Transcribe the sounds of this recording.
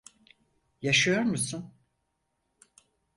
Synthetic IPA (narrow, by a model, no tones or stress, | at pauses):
jaʃɯjo̞ɾmusun